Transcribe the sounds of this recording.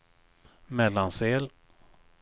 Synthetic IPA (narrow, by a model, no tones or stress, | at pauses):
mɛlːanseːl